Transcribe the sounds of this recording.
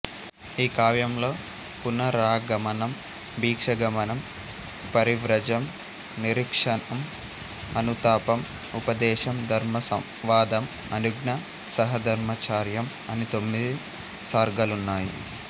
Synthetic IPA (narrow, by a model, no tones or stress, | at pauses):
iːkaːʋjɐmlo̞ː | punɐɾaːɡɐmɐnɐm | bʱiːkʂɐɡɐmɐnɐm | pɐɾiʋɾɐd͡ʒɐm | niɾikʂɐnɐm | ɐnut̪aːpɐm | upɐd̪ɛːʃɐmd̪ʱɐɾmɐsɐ | ʋaːd̪ɐm | ɐnuɡnɐ | sɐɦɐd̪ʱɐɾmɐt͡ʃaːɾjɐm | ɐnit̪o̞mːid̪i | saːɾɡɐlunːaːjḭ